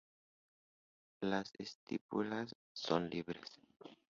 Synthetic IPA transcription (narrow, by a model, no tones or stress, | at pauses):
lasest̪ḭpulasː | onliβɾes